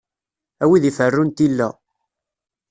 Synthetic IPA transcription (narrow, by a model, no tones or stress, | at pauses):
æwiðifərːʊnt̪ilːæ̰